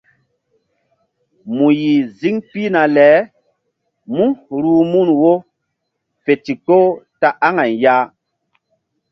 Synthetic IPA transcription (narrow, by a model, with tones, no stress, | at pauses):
mu˨ji˨zi˦ŋpi˦na˨lɛ˨˦ | mu˦ɾuː˨mu˦˨nwo˦ | fe˨ti˨ko˦ta˦ʔa˦ŋa˨nja˦